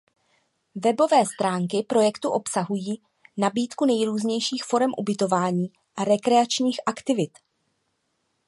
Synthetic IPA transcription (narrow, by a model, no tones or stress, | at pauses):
vɛbo̞vɛːst̪ɾaːŋkɪpɾo̞jɛkt̪uʔo̞psaɦujiː | nabiːt̪kunɛjɾuːzɲɛjʃiːxfo̞ɾɛmʔṵbɪt̪o̞vaːɲiː | ʔaɾɛkɾɛat͡ʃɲiːxʔakt̪ɪvɪt̪